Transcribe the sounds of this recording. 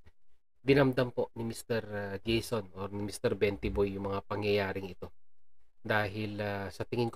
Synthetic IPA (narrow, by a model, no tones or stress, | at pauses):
d̪ɪnɐmd̪ɐmpo̞ʔnɪmɪst̪ɛɾɐɡɛjsonoɾnɪmist̪ɛɾbɛnt̪ɪbojːʊŋmɐŋapɐŋjɐjaːɾɪŋɪt̪o̞ | d̪aːɦɪlasɐt̪ɪŋɪnk